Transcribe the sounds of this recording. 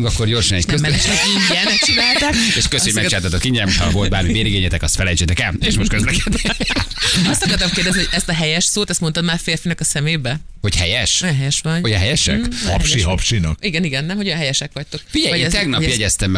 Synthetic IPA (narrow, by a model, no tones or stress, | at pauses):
ŋɡɒkːorɟoːrʃinːit̪køzmɛiɲɛnt͡ʃinaːlt̪ɛkeʃkøsøomɛkt͡ʃɛːlt̪ɑt̪okiɲɟɛɛmotʰhɒvo̞lt̪baːɾmiveːɾiɡeːɲɛt̪ɛkɒst̪fɛlɛjt͡ʃeːt̪ɛkɛleːʃmoʃt̪køzlɛkɛd̪ni | ɒst̪ɒkɒrt̪ɒmkeːrd̪ɛznioɟʲɛst̪ɒɦɛjɛʃsoːt̪ɛst̪mot̪ɒd̪maːrfeːrfinɛkɒsɛmeːbɛ | ho̞chɛjɛʃojɛnɦɛjɛʃʋɒnoɦɛjɛʃɛ̰khɒ̰pʃiɦɒpʃinɒkiɡɛniɡɛnːɛmho̞ɟojɒ̃nɦɛjɛʃɛkʋɒc̚t̪okfiɟɛjɒt̪ɛɡnɒpjɛɟɛst̪ɛmː